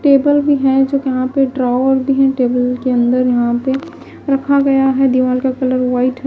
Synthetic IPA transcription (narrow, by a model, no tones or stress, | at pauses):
ʈeːbəlbʱiɦɛ̃d͡ʒoːkjɐɦãpeɖɾaːʋəɾbʱiɦɛ̃ʈeːbəlkeɐ̃nd̪əɾjɐɦãpe | ɾɐkʰaɡɐjaɦɛd̪iʋaːlkakɐləɾʋaːɪʈ